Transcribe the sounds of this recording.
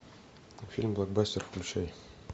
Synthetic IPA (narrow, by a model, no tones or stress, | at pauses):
fʲilʲmblˠak̚basʲtʲeɾkʉlɕæj